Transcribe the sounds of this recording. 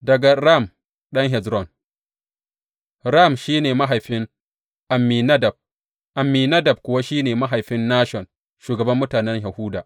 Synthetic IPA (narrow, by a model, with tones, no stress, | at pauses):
dɐ˨ɡa˨ɾa˦˨m | ɗɐ˦ŋɦɛ˨d͡ʒɾɔ˦˨n | ɾa˦˨mʃiː˦neː˨ma˦ɦa˨jɸɪ˦ŋ | ʔa˨mːi˨nɐ˦dɐ˨b̚ | ʔa˨mːiː˨nɐ˦dɐ˨b̚kʷʊ˨wa˦ʃiː˦neː˨ma˦ɦa˨jɸɪ˦nːaː˦ʃɔ˨n | ʃuː˨ɡɐ˨bɐ˦mːʊ˦taː˨nɛ˦ɲja˨hʊ˦daː˨ʔ